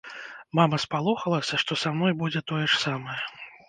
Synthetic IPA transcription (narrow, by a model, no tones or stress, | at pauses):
mamɐspalˠɔxɐlˠɐsʲɐʂt̪ɔsamn̪ɔjbud͡zʲɛt̪ɔjɛʂsamɐjɛ